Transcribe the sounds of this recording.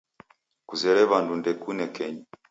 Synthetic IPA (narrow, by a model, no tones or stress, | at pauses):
kuzɛɾɛβandundɛkunɛkɛɲi